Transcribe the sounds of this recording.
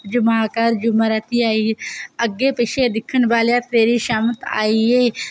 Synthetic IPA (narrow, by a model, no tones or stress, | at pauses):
d͡ʒʊmaaːkaːɾd͡ʒʊməɾaːt̪iaːiəɡeːpəʃed̪ɪkʰːənbaːljaːt̪eːɾiʃaːmət̪a̰ːieː